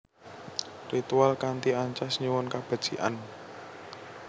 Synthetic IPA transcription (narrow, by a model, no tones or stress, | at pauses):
rit̪ualkant̪iaɲt͡ʃasɲuwʊnkab̥a̤d̥ʒ̥iʔa̰n